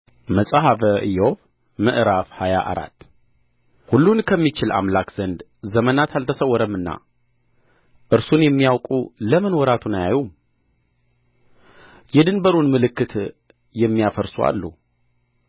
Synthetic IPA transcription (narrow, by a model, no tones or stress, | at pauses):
məsʼaɦavəʔɨjof | məʔɾafhaja̰ʔa̰ɾa̰t̪ː | hulːunkʰəmːit͡ʃɪla̰mlakz̥ənd̪ | zəmənat̪ʰalt̪ʰəsəwːɔɾəmːɨnːa̰ | ʔɨɾsunjɛmːijawkʼuləmɨnwɔɾat̪ʰunajajum | jɛd̪ɨnbəɾunmɨlɨkːɨt̪ | jɛmːijafəɾsua̰lːṵ